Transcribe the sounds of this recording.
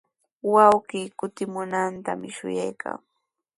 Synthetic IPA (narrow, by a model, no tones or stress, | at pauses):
wawɢiːkʊt̪ɪmʊnant̪amɪʃʊ̰jajkʰa̰ŋ